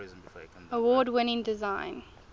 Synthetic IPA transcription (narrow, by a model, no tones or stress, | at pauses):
əwɔːdwɪnɪ̃ŋdɪzãɪ̃n